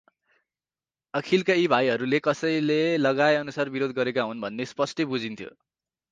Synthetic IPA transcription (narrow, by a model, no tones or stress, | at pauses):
ʌkʰilkaibʱajɦʌɾulekʌsʌjlelʌɡaeʌnusarbiɾod̪̚ʱɡʌɾekaɦunbʱʌnːespʌsʈʌbud͡zint̪ʰjo̰